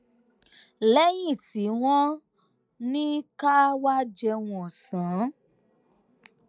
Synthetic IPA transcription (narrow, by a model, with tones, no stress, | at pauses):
lɛ˦jĩ˦˨ti˨˦w̃ɔ̃˦ | nĩ˦ka˦wa˦d͡ʒɛ˧w̃ɔ̃˨sãː˨˦